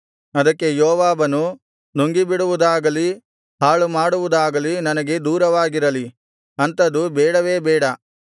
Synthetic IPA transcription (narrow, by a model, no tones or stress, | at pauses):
ɐd̪ɐkːe̞joːʋaːbɐnu | noŋɡibiɽuʋud̪aːɡɐli | ɦaːɭumaːɽuʋud̪aːɡɐlinɐnɐɡe̞d̪uːɾɐʋaːɡiɾɐli | ɐnt̪ɐd̪ubɛːɽɐʋe̞ːbɛːɽɐ